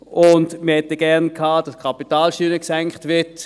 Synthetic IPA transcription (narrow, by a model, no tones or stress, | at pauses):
ʔʊndməhɛtəɡ̥ɛʁnkʰhaːd̥ɑskʰɑpitaːlʃyːnəksɛŋkχtʋɪɐt